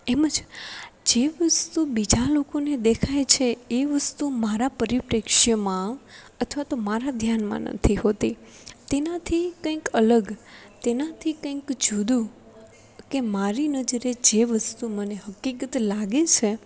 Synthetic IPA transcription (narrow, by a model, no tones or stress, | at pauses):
eməd͡ʒd͡ʒeʋəst̪ubid͡ʒalokoned̪ekʰajt͡ʃʰeeʋəst̪umaɾapəɾipɾekʃjəmã | ət̪ʰʋat̪omaɾad̪ʱjanmã̰nə̰t̪ʰiɦot̪i | t̪enat̪ʰikə̃ĩkələɡ | t̪enat̪ʰikə̃ĩkd͡ʒud̪ũ | kemaɾinəd͡ʒəɾed͡ʒeʋəst̪uməneɦəkːikət̪laɡet͡ʃʰe